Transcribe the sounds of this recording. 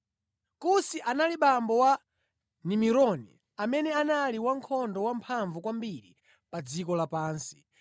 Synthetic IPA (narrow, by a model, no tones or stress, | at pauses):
kusiʔanaliɓambɔwa | nimiɾɔnḭ | amɛnɛanaliwaŋkʰɔndɔwampʰaɱvukwambiɾḭ | pad͡zikɔlapaːnsi̥